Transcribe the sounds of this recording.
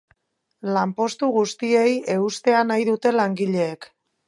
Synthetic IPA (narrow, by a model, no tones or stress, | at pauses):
lampo̞st̪uɣust̪ie̞je̞ust̪e̞anajðut̪e̞laŋɡiʎe̞ːk